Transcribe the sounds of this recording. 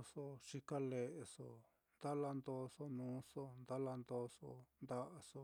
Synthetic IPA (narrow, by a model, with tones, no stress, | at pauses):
so˧ʂi˧ka˦le˨ʔe˨so̰˧˨ | nd̪a˦la˧nd̪o˧˦so˧nũː˨˦so˦nd̪a˦la˧nd̪o˦so̰˧nd̪a˦ʔa˧so˧